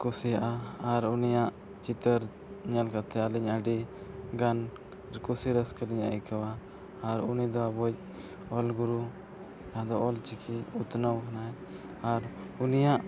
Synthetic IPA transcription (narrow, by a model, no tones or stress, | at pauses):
kusijaʔaːɾunijaʔ | t͡ʃit̪əɾ | ɲalkat̪ʰɛaliɲəɖiɡan | ɾkusiɾəskəɾiɲa̰ikawaː | ɾunid̪ɔabɔc̚ | ɔlɡuɾu | naɦd̪ɔʔɔlt͡ʃikʰiut̪nəwkʰanaɛ | aɾunijaʔ